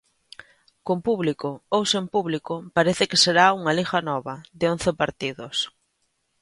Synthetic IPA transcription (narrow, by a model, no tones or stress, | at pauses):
kompuβlikoowsempuβlikopaɾeθɪkeseɾauŋalixanɔβɐðɪon̟θɪpaɾt̪iðos